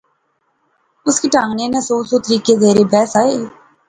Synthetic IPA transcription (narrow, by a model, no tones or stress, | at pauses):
ʊskeːʈãːŋɡneːnẽsoːsoːt̪əɾiːkeːzeːɾeːbɛːsaːeː